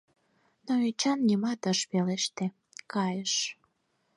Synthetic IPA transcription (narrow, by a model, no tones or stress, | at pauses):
noet͡ɕɑnːimɑt̪əʃpeleʃt̪e | kɑjəʃ